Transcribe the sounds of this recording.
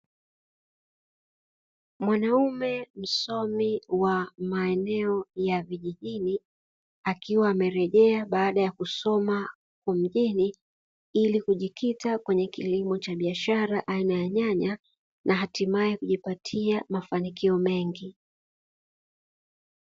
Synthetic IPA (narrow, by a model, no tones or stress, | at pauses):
mwanaumɛm̩sɔmiwamaɛnɛɔjaviʄiʄini | akiwaːmɛɾɛʄɛaɓaːɗajakusɔma | kwam̩ʄini | ilikuʄikʰitakwɛɲɛkilimɔt͡ʃaɓiaʃaɾaʔainajaɲaɲa | nʔaɦatimaɛkuʄipatʰiamafanikiɔmɛŋɡi